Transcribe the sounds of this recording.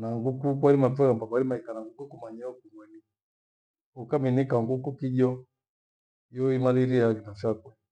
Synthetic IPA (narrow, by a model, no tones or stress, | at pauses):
naŋɡukukwaɾimapɛambakwaɾimaikanaŋɡukukumaɲaɔkuŋwani | ukaminikaŋɡukukiʄɔ | jɔimaliɾijakinafjakwɛ